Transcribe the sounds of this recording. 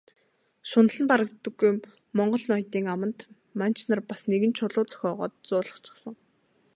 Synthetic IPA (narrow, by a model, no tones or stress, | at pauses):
ʃʊn̆ɮə̆mpaɾə̆k̚t̪ːə̆ɡuj | mɔɴɢɞ̆ɮnɔjt̪iːŋamə̆nt̪ | man̥ʲt͡ɕnarpasneɣɘ̆nt͡ɕʰʊɮʊːt͡sœ̥xʲɔːʁɔ̰ːt̪̚t͡sʊːɮə̥̆χt͡ɕʰɪ̥̆χsə̆ŋ